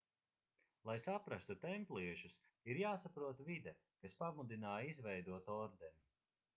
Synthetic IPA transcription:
lˠajsapɾast̪ut̪ɛmplˠiɛʃus | iɾjaːsapɾuɔt̪vid̪ɛ | kaspamud̪inaːjizvɛjd̪uɔt̪ɔɾd̪ɛn

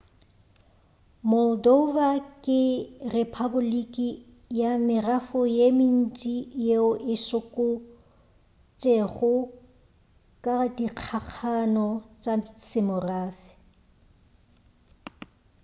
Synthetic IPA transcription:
mɔldovakʼɪrepʰabʊlikʼi | jamɪrafʊjemin̩t͡ʃʼijeʊʔɪʃʊkʼʊ | t͡ʃʼeɣʊ | kʼadiq͡χʰaq͡χʰanɔt͡ʃʼasɪmʊraːfɪ̥

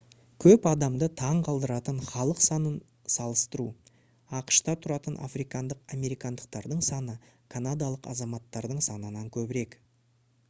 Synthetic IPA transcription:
kʲʰɵpɑd̪ɑmd̪ət̪ʰɑɴqʰɑlˠd̪əɾɑt̪əɴχɑlˠəqsɑnən | sɑlˠəst̪əɾu | ɑqə̥ʃt̪ɑt̪ʰʊɾɑt̪ənʔa̰fɾijkɑnd̪əqame̞ɾijkɑnd̪əq̚t̪ɑɾd̪əɴsɑnə | kʰanad̪ɑlˠəqɑ̰zɑmɑt̪ːɑɾd̪əɴsɑnənɑŋkʲʰɵbɪɾe̞k

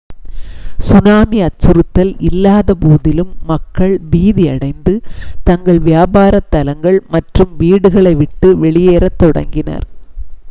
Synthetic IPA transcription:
sʊnaːmiɐt͡ʃːɯɾɯt̪ːɐlɪlːaːðɐbuːðɪlɯmːɐkːɐɭbiːðɪɐ̰ɽɐɪnd̪ɯt̪ɐŋɡɐɭʋɪjaːbaːɾɐt̪ːɐlɐŋɡɐɭmɐʈrɯmʋiːɽɯɣɐɭɐɪʋɪʈːɯʋɛɭɪjeːɾɐt̪ːɔɽɐ̰ŋɡɪnɐ̰ɾ

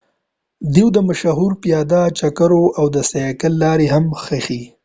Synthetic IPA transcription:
d̪iwd̪əmaʃaɦuɾpjɑd̪at͡ʃakaɾoʔawd̪əsajakəlːɑɾehamxexi

